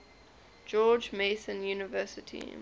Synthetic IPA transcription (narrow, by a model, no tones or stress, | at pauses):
d͡ʒɔːd͡ʒmeɪsə̃njuːnɪvɜːˑsɪtʰḭ